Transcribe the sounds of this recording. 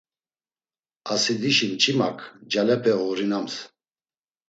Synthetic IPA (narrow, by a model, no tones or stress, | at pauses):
asid̪iʃimt͡ʃʰʼima̰kʰd͡ʒalɛpʰɛɔɾinams